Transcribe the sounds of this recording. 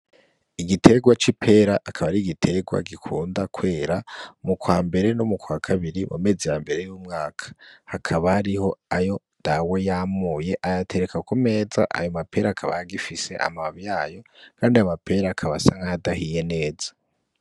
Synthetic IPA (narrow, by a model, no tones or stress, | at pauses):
iɡitʰe̞ɡwat͡ʃipʰe̞ɾaʔːkʰaβaɾiːɡitʰe̞ɡwa̰ɡikʰuːndakwe̞ːɾamukwaːmbe̞ɾe̞nomukwakʰaβiɾimṵme̞zijambe̞ɾe̞juːmŋaːkʰḁhakʰaβahaɾiho̞ajo̞ | d̥awejamuːje̞ʔajatʰe̞ɾekakome̞ːza̰ʔa̰jo̞mapʰe̞ːɾakʰaβa̰jaɡifise̞̰ʔa̰maβjaːjo̞kʰaːndiamapʰe̞ɾakʰaβasaŋajadahije̞ne̞ːz̥ḁ